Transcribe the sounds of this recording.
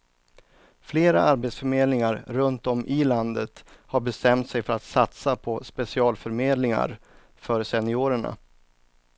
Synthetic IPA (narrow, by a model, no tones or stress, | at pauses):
fleːɾaaɾbeːt̪sfœɾmeːd̪lɪŋaɾɾɵnt̪ɔmʔɪland̪ət̪haɾbɛst̪ɛmt̪sɛjfœɾat̪sat̪sapʰɔspɛsɪɑːlfœɾmeːd̪lɪŋa̰ɾ | fœɾsɛnɪuːɾəɳa̰